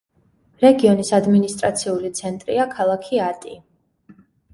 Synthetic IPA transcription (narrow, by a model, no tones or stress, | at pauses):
ɾɛɡiɔnisad̪minist̪ʼɾat̪sʰiulit̪sʰɛnt̪ʼɾḭakʰalˠakʰiat̪ʼi